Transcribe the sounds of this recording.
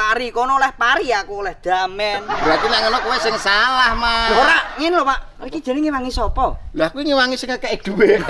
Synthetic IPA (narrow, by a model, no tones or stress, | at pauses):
aɾikɔnɔlɛhpaɾiakulɛhd̪̥amɛnb̥ɾat̪inaŋənɔkuwɛsɪŋsalahmaoɾaʔŋɪnlɔpaʔ | rikidʒ̥e̤nɪŋiwaŋisɔpɔlahkuwiŋiwaŋisɪŋəkɛʔɪk̚d̪̥uwe